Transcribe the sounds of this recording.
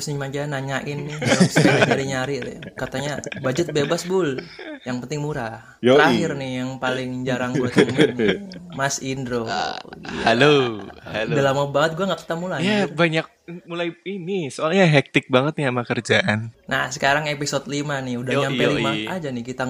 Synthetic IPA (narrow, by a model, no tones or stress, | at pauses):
snimad͡ʒanaɲaʔɪnːɪɾksaɲaɾiɲaɾilɪ̰kat̪aɲabad͡ʒʊt̪̚bebasbʊljaŋpənt̪ɪŋmuɾa | əɾaɦɪrnɪjaŋpalɪŋd͡ʒaɾaŋɡɡuat̪ŋ | masindɾo | halo | dalamabaŋət̪̚ɡuaŋɡakə̥t̪amulajjabaɲak̚mulajinisoalɲaɦɛk̚t̪ɪk̚baŋət̪̚ɲamakərd͡ʒaʔanna̰hsə̥kaɾaŋepisot̪̚limanɪudahɲampɛlimaʔad͡ʒanɪhkit̪a